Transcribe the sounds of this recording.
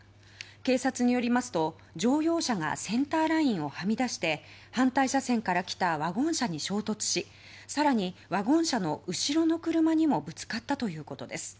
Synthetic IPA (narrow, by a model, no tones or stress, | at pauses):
ke̞ːsat͡sɨɲ̟ijo̞ɾʲimasɨ̥t̪o̞ | d͡ʑo̞ːjo̞ːɕaɡa̰sẽ̞nt̪aːɾaĩɰ̃o̞hamʲid̪aɕi̥t̪e̞hãnt̪aiɕasẽ̞ŋkaɾakʲi̥t̪aβaɡõ̞ɰ̃ɕaɲ̟iɕo̞ːt̪o̞t͡sɨ̥ɕi | saɾaɲ̟iβaɡõ̞ɰ̃ɕano̞ʔɯ̟ɕiɾo̞no̞kɯ̟ɾɯ̟maɲ̟imo̞bɯ̟t͡sɨ̥kat̪ːat̪o̞jɯ̟ːko̞t̪o̞d̪e̞sɨ̥